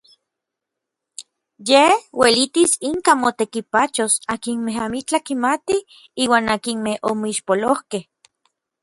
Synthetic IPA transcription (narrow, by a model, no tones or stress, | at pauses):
jehwelit̪isiŋkamot̪ekipat͡ʃosakinmeɦamit͡ɬakimat̪i | iːwaːnakinmehʔomoiʃpolohkeh